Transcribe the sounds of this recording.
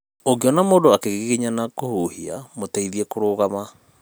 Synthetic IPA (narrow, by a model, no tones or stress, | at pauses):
oɡeɔnamoːdoakeɣiɣiɲanakohuhia̰motaiðiɛkoɾoːɣama